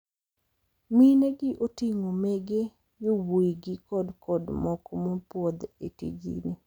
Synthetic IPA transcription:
mineɡɪʔotiŋomeɡe | jowoiɡɪkɔdkʰɔdmɔkɔmopwɔd̪etḭd͡ʒḭne

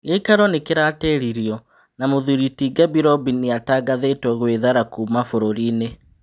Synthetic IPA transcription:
ɣeikaɾɔnekeɾaːtɛɾiɾjɔ | namoðuɾitiɡabiɾɔbineataɡaðetwɔɣweðaɾakuːmafoɾoɾine

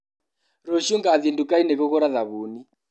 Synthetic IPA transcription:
ɾɔʃuŋɡaðiɛndukainɛɣɔɣɔɾaðaβuni

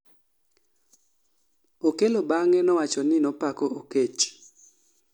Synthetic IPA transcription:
okelobaŋɛnɔwat͡ʃɔnɪnɔpakooket͡ʃ

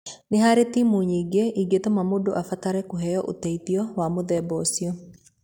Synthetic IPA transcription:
neɦaɾet̪imuɲiɡeʔiɡet̪omamodoʔafataɾɛkoɦɛjɔʔo̰tɛit̪iɔwamoðɛbɔsio

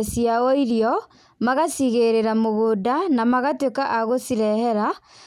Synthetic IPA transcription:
siaɔiɾjɔ | maɣasiɣeɾeɾamoɣodanamaɣatwekaʔaɣosiɾɛhɛɾa

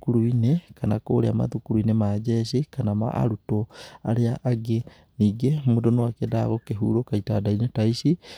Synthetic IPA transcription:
kuɾuinekanako̰ɾḛama̰ðukuɾuinemad͡ʒɛʃikanama̰a̰ɾutoaɾeaʔaɡe | niːɡemodonowakɛdaɣokeɦṵɾokaitadainetaisi

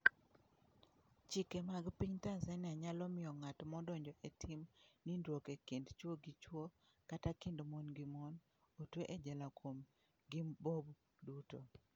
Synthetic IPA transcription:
t͡ʃikɛmaɡpiɲtasɛniaɲalɔmɪjɔŋatmɔdɔɲd͡ʒɔʔetʰimnindwokekendt͡ʃwoɡit͡ʃwo | katakindomonɡimɔn | otweʔed͡ʒɛlakwom | ɡibob | duto

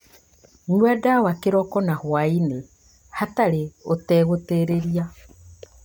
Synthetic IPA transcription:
nuadawakeɾɔkɔnahwaine | hataɾeotɛːɣoteɾeɾia

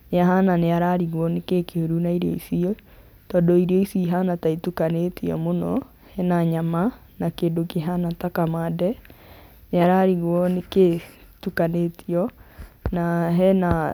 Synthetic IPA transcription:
neaɦananeaɾaɾiɣwɔnekekeoɾunaiɾiɔ̰isiɔ | tɔːndɔiɾiɔisiɦanataitukanetʰiɔ̰monɔ̰ | hɛnaɲama | nakeːndokeɦanatakamadɛ | neaɾaɾiɣwɔneke | tukanetʰiɔnaɦɛna

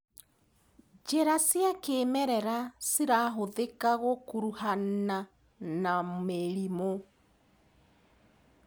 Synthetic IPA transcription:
d͡ʒɛɾasjakeːmɛɾɛɾasiɾaɦoðekaɣokuɾuhana | nameɾimo

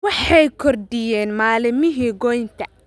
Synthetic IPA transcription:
wɑħɑjkʰɔrd̪ɪjɛːnmaːlɪmɪɦiːɡɔjnt̪ʰɐ

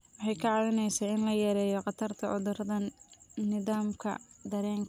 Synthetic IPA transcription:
wɑħɑjkʰɐʕɑlɪnɛjsɐːɪnlɐjɛɾɛːjɔqɑt̪ʰɐrt̪ʰɐʔʊ̰ðʊɾɐðɐnnɪðaːmkʰɐ̰d̪ɐɾɛːŋkʰɐ

